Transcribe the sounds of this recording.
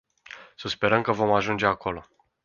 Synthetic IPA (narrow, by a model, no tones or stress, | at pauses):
səspe̞ɾəmkəvo̞maʒund͡ʒe̞ako̞lo̞